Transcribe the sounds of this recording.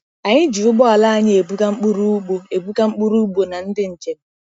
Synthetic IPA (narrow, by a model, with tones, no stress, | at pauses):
a˨ɲɪ˦d͡ʒi˨ʊ˦ɡ͡bɔ˦a˨la˦a˨ɲɪ˦e˨bu˦ka˦ŋ͡m̩˦k͡pu˦ɾu˦u˦ɡ͡bo˦e˨bu˦ka˦ŋ͡m̩˦k͡pu˦ɾu˦ɡ͡bo˨na˨n̩˦dɪ˦n̩˨t͡ʃe˨n˦